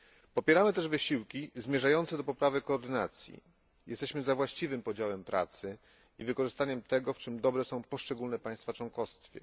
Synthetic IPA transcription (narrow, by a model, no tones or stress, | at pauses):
pɔpʲjɛɾamɘt̪ɛʐvɘɕiwkʲizmʲjɛʐajɔnt̪sɛd̪ɔpɔpɾavɘkɔːɾd̪ɘnat̪sʲjḭ | jʔɛ̰st̪ɛɕmɘzavwaɕt͡ɕivɘmpɔd͡ʑawɛmpɾa̰t̪sɘ | ivɘkɔʐɘst̪aɲɛmt̪ɛɡɔft͡ʂɘmd̪ɔbɾɛsɔ̃w̃pɔʂt͡ʂɛɡulnɛpaj̃st̪fat͡ʂwɔ̃ŋkɔst̪fʲjɛ̰